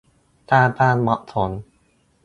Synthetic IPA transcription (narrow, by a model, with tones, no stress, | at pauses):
t̪aː˥˩paː˥˩nmɔ˦˥ʔt̪ʰo˨˩˦n